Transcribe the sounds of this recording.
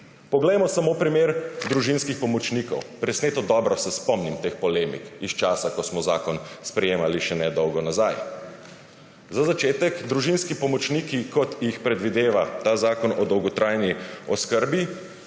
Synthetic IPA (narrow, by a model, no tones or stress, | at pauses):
pɔɡlɛjmɔsamopɾimeːɾd̪ɾuʒinskixpɔmɔt͡ʃnikɔ̰wpɾɛsneːt̪ɔd̪ɔbɾɔsɛspɔmnimt̪expɔleːmḭkist͡ʃaːsakɔsmɔzaːkɔnspɾɛjeːmaliʃɛnɛd̪ɔwɡɔnazaj | zazat͡ʃeːt̪ɛkd̪ɾuʒinskipɔmɔt͡ʃniːkikɔt̪jixpɾɛd̪ʋid̪eːʋat̪aːzaːkɔnɔd̪ɔwɡɔt̪ɾʔajniɔskəɾbi